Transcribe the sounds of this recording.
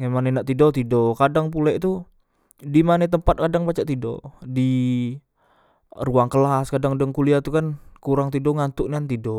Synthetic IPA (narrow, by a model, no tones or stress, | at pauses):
ŋemanenaʔt̪idot̪idɔkadaŋpulɛʔt̪u | dimanet̪əmpat̪̚kadaŋpat͡ʃaʔt̪ido̰di | ruaŋkəlaskadaŋdaŋkuliat̪ukankuɾaŋt̪idɔŋant̪ʊʔniant̪idɔ